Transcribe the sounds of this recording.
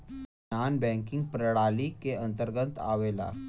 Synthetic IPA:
aːnbɛ̃ːŋkɪ̃ŋɡ̚pɾəɽaːlikeɐ̃nt̪əɾɡə̃nt̪ʰa̰ːʋeːla̰ː

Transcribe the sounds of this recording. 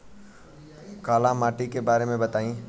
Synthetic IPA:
kaːlãmaːʈikebaːɾemẽbɐt̪aːĩː

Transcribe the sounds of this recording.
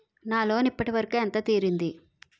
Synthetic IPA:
naːlo̞ːnipːɐʈiʋɐɾɐkuɛnt̪ɐt̪iːɾind̪i

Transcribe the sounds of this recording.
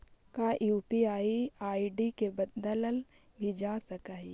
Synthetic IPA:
kaʔjuːpiaːiaːiɖikebɐd̪d̪ələl | bʱid͡ʒaːsɐkaːi

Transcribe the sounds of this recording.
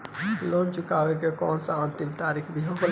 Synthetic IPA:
lont͡ʃukawekekɔːnsãənt̪imt̪aɾikʰbʱiɦok

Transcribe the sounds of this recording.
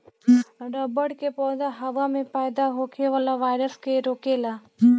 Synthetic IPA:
ɖəbəɽkepɔːd̪aɦəʋamẽpaːjd̪aɦokʰeʋalaʋaːɪɾəskeɾoːkela

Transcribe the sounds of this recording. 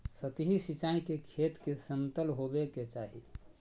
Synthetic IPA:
sət̪ɦisit͡ʃaĩkekʰet̪kesənt̪əlɦobeket͡ʃaɦi

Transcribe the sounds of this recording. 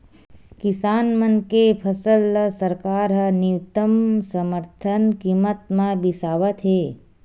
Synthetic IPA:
kɪsaːnmənkepʰəsəlːəsəɾkaːɾɦɐnɪʋt̪əmsəməɾt̪ʰənkiːmət̪mãbɪsaːʋət̪ɦeː

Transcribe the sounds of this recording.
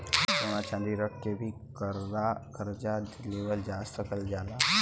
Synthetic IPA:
səñat͡ʃãːnd̪iɾək̚ʰkebʱi | kəɾakəɾd͡ʒad̪leːʋəld͡ʒaːst̪əkəld͡ʒaːla

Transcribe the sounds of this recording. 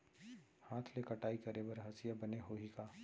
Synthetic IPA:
haːt̪ʰlekɐʈaːikɐɾebɐɾɦɐsijabɐneɦoːɦikaː

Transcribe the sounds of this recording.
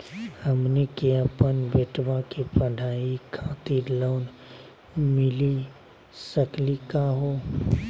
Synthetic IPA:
həmnekeəpənbeːʈʋãkepəɖʱaːikʰãːt̪iloːn | mɪli | səklikaɦoː

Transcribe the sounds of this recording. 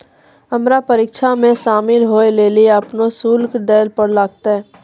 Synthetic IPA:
ɐmɾapəɾiɪːkʃʰamẽʃaːmɪlɦoːelelieɐpnosuːlkɖeːlpəɾlaːɡt̪aɦɛ̃ː

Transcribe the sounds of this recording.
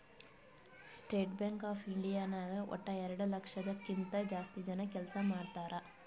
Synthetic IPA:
sʈeːʈbjeŋkaːpʰiɳɖijaːnaːɡeʔɔ̰ʈːɐɛɾɐɽulɐkʂɐd̪ɐkːint̪ɐd͡ʒaːst̪id͡ʒɐnɐkɛlsɐmaːɽt̪aːɾɐ

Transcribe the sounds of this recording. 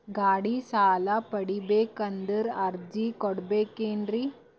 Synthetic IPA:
ɡaːɽiːsaːlapəɽibekənd̪əɾaɾd͡ʑikɔɽbekend̪ɾi

